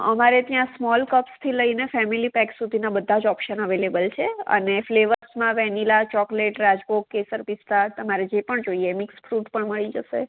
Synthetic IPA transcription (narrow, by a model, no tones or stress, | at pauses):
ə̰maɾet̪jãsmɔlkəpst̪ʰiləinefɛmilipɛksud̪ʱinabəd̪ʱːad͡ʒɔpʃənəʋelebəlt͡ʃʰeə̰nefleʋəɾsmãʋɛnilat͡ʃɔkleʈɾad͡ʒbokːesəɾpist̪at̪əmaɾed͡ʒepəɳd͡ʒoiemɪksfɾuʈpəɳməɭid͡ʒəʃḛ